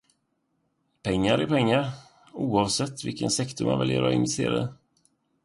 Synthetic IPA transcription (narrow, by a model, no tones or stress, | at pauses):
pʰɛŋːaɾɪɾpʰɛŋːaɾ | uːɑvsɛt̪ːvɪlkənsɛkt̪ʊɾma̰nvɛ̰ljəɾɔ̰ɪnvɛst̪ḛːɾa̰d̪ə